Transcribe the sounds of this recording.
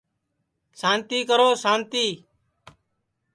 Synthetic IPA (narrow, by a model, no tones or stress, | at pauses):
saːnt̪iːkəɾoːsaːnt̪iː